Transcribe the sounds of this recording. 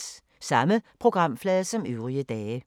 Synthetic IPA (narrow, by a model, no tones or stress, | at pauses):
sɑ̈məpʰʁo̝ɡ̥ʁɑ̈m̰flɛːðˠsɒ̽møʊʁiəd̥ɛːə